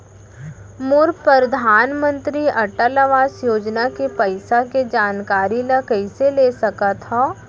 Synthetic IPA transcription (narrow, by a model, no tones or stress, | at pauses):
mʊɾpɾəɾd̪ʱaːnmə̃nt̪ɾiʔɐʈəlaʋaːsjoːd͡ʒnakepəɪsaked͡ʒaːnkaːɾiləkɐɪseleːsɐkat̪ɦa